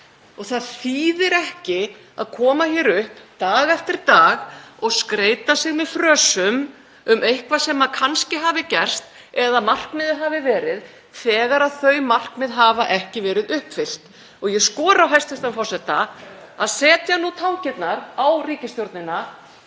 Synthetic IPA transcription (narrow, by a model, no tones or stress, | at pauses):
ɔɣθaðθiːðɪɾɛhcɪ | a̰ðkʰɔːmaçɛɾʏhpt̪aːɣɛft̪ɪɾ̥t̪aːɣɔɣskɾeːjt̪asɪɣmɛðfɾœːsʏm | ʏmʔejhkvasɛmakʰanscɪɦaːvɪcɛr̥st̪ | ɛðaðmar̥kmɪðɪɦaːvɪvɛːɾɪð | θɛːɣaɾaðθœɥmar̥kmɪðɦaːvaʔɛhcɪvɛːɾɪðʏhpfɪl̥t̪ | ɔɣjɛskɔːɾawɦɛst̪fɪst̪anfɔrsɛht̪aaðsɛːt̪janut̪ʰaːwcɪt̪naɾawriːcɪst̪joɾt̪nɪna